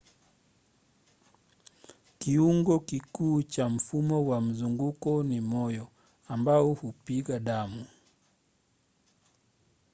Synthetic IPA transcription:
kiuŋɡɔkikuːt͡ʃam̩fumɔwam̩zuŋɡukɔnimɔjɔ | ambaɔhupiɠaɗamu

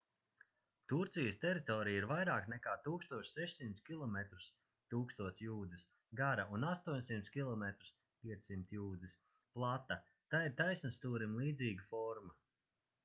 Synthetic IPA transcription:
t̪uɾt̪sijəst̪ɛɾit̪ɔːɾijiɾvajɾaːknɛkaːt̪uːkst̪uɔʃsɛʃsimt̪skʲilˠɔmɛt̪ɾu̥s | t̪uːkst̪uɔt̪sjuːd̪zis | ɡaɾaunast̪uɔɲʲsimt̪skʲilˠɔmɛt̪ɾu̥s | pʲiɛt̪sːimt̪juːd̪zis | plˠat̪ːa | t̪aːiɾt̪ajsnast̪uːɾimlˠiːd̪ziːɡafɔɾma

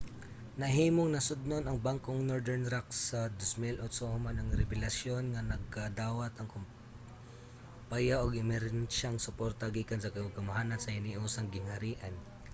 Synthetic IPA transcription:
nɐɦiːmoŋnɐsʊd̪̚nonɐŋbaŋkoŋnoɹd̪ɛɹnɾaksːɐd̪osmɪlʔod̪sohʊmanɐŋɾɛbɪlɐsjo̞nŋɐnɐɡ̚kad̪aːwɐt̪ɐŋkʊm | pajaʔoɡɪmɛɾɛnʃaŋsʊpoɾt̪ɐɡiːkɐnsɐkɐaɡɐmɦaːnɐnsɐhɪniʔuːsɐŋɡɪŋhɐɾiːʔɐn

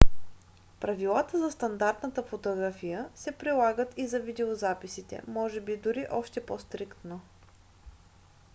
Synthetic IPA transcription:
pɾɐvilˠat̪əzɐst̪ɐnd̪aɾt̪nət̪əfot̪oɡɾafijəsɛpɾilˠaɡət̪izɐvid̪ɛozapisit̪ɛ̰mɔʒɛbid̪uɾiʔɔʃt̪ɛpost̪ɾikt̪no

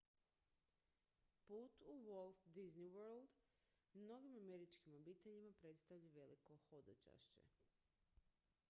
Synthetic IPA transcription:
puːt̪uʋolˠfd̪izniwøɾld̪ | mno̞ɡimame̞ɾit͡ʃkimo̞bit̪eʎimapɾe̞t̪st̪aʋʎaʋe̞liko̞xod̪at͡ʃa̰ʃt͡ɕḛ

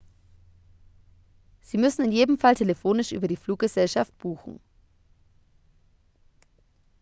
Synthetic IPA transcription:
z̥iːmʏsn̩ɪnjeːdm̩faltʰeləfoːnɪʃʔy̰ːbɐɾiːfluːk̚ɡ̥əzɛlʃaft̚b̥uːxn̩

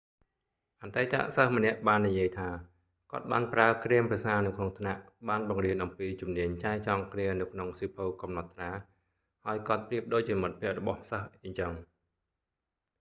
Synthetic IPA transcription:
ʔat̪ajt̪a̰ʔsəhmə̆nɛ̆əʔɓaːnːijiəjt̪ʰaː | kŏət̪̚ɓa̰ːnpraəkriəmprɛəsaːnɨwkʰnoŋt̪ʰnaʔɓaːnɓɑŋriənʔɑmpiːt͡ɕumniəɲt͡ɕaɛt͡ɕɑŋkriənɨwkʰnoŋsiːpʰowkɑmnɑt̪ʰːraː | haəjkŏət̪̚priəp̚ɗoːc̚t͡ɕiəmɨt̪̚pʰiəʔrɔɓɑhsəhʔəɲt͡ɕəŋ

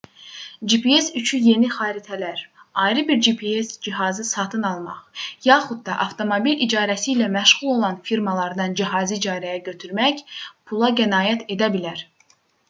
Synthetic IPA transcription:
d͡ʒipʰie̞syt͡ʃʰyje̞niχɑːɾit̪ʰælæɾɑjɾɯbiɾd͡ʒipʰiesd͡ʒiɦɑzɯsɑt̪ʰɯnɑlˠmɑ̰χjɑːχud̪̚d̪ɑʔɑft̪ʰo̞mobilid͡ʒɑːɾæsiːlæmæʃʁulˠo̞lˠɑnfiɾmɑlˠɑɾd̪ɑnd͡ʒiɦɑːzid͡ʒɑːɾæjæɟø̞t̪ʰyɾmæçpʰulˠɑɡænɑːjæt̪ʰe̞d̪æbilæɾ

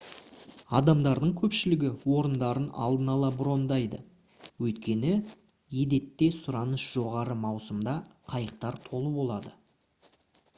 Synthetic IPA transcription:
ɑd̪ɑmd̪ɑɾd̪əɴkʲʰɵpʃɪlɪɡʲɪwo̞ɾənd̪ɑɾənɑ̰lˠd̪ənɑlˠɑbʊɾo̞nd̪ɑjd̪ə | wɵjt̪kʲe̞nɪ | jed̪e̞t̪ːe̞sʊɾɑnəsʒ̥o̞ʁɑɾəmɑwsəmd̪ɑqʰɑjəq̚t̪ɑɾt̪ʰo̞lˠəbo̞lˠɑd̪ə

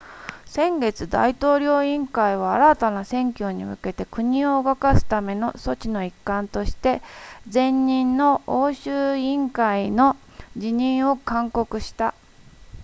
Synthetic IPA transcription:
sẽ̞ŋɡe̞t͡sɨd̪a̰it̪o̞ːɾʲo̞ːĩŋkaiβ̞aːɾat̪anasẽ̞ŋkʲo̞ːɲ̟ḭmɯ̟ke̞t̪e̞kɯ̟ɲ̟ĩo̞ɡakasɨ̥t̪ame̞no̞so̞t͡ɕino̞ikːãnt̪o̞ɕi̥t̪e̞zẽ̞ɲːĩnːo̞oːɕɨːĩŋkaino̞ | d͡ʑiɲ̟ĩɰ̃o̞kãŋko̞kɯ̟ɕi̥t̪a̰

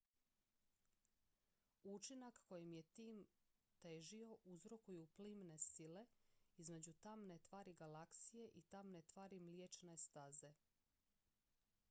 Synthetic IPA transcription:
ut͡ʃinakːo̞jimje̞t̪iːmt̪eːʒio̞ʔuzɾo̞kujuplimne̞sile̞izme̞d͡ʑut̪amne̞t̪ʋaːɾiɡalaksije̞ʔit̪amne̞t̪ʋaːɾimljet͡ʃne̞st̪aze̞

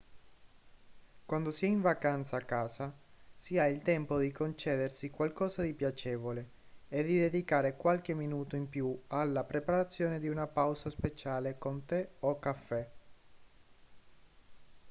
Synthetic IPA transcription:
kwand̪osiɛiɱvakant̪saːkːaːzasiailt̪ɛmpod̪ikont͡ʃɛːd̪ersikwalkɔːzad̪ipjat͡ʃɛːvole | ed̪id̪ed̪ikaːɾekwalk̟emːinuːt̪oimpjualːapɾepaɾat̪sːjoːned̪iunapawzaspet͡ʃaːlekont̪eokːafːɛ

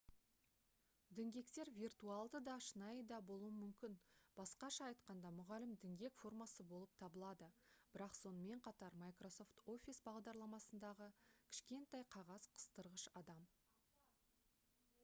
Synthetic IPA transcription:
d̪ɪŋɡʲe̞kt̪e̞ɾvʲirt̪ualˠd̪əd̪ɑʃənɑjəd̪ɑbo̞lˠuwəmʏmkʲɪnb̥ɑsqɑʃɑːjt̪qɑnd̪ɑmʊʁɑlɪmd̪ɪŋɡʲe̞kfo̞rmɑsəbo̞lˠəp̚t̪ʰɑbəlˠɑd̪əb̥ɪɾɑqso̞nəme̞ɴqʰɑt̪ɑɾmajkro̞so̞ft̪o̞fʲisbɑʁd̪ɑɾlˠɑmɑsənd̪ɑʁəkʲʰɪ̥ʃkʲe̞nt̪ɑjqʰɑʁɑz̥qʰə̥st̪əɾʁəʃɑd̪ɑm

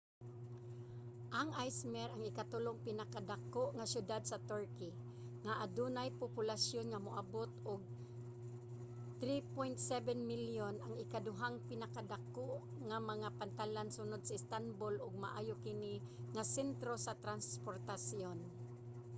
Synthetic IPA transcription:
ʔaŋajsmɛɾaŋɪkat̪ʊloŋpɪnakad̪akoʔŋasjʊd̪ad̪̚sat̪ɔɹkɪ | ŋaʔad̪unajpʊpʊlasjonŋamʊʔabot̪ʊɡ̚ | t̪ɾipojnt̪sɛvɛnmiljonaŋɪkad̪ʊɦaŋpɪnakad̪akoʔ | ŋamaŋapant̪alansʊnʊd̪̚saɪst̪anbolʊɡ̚ma̰ʔa̰ːjokɪni | ŋasɛnt̪ɾosat̪ɾanspoɾt̪asjon

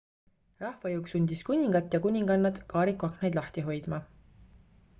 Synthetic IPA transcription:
rɑhvɑjuwksunʲd̪̥iskunʲiŋɡ̥ɑt̪ːˑjɑkunʲiŋɡɑnːɑd̪̥kɑːɾikːˑuɑknejd̪lɑht̪iɦo̞jd̪̥mɑ

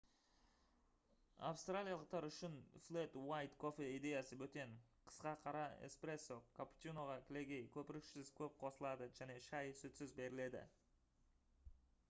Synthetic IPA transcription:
a̰fst̪ralʲijalˠəq̚t̪ɑɾʏʃɪnfle̞t̪wajt̪kʰo̞fe̞id̪e̞jasəbɵt̪e̞ɴqʰə̥sqɑqʰɑɾɑḛspɾe̞sːokʰapu̥t̪ino̞ʁɑkʲʰɪle̞ɡʲe̞jkʲʰɵpɪɾɪksɪzkʲʰɵp̚qʰo̞səlˠɑd̪əʒæne̞ʃɑjsɵt̪sɪzbe̞ɾɪle̞d̪ɪ̰

